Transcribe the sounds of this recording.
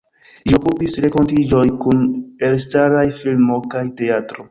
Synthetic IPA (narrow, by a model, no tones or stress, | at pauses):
d͡ʒio̞kupisɾe̞ko̞ntid͡ʒo̞jkune̞lstaɾajfilmo̞kajte̞atɾo̞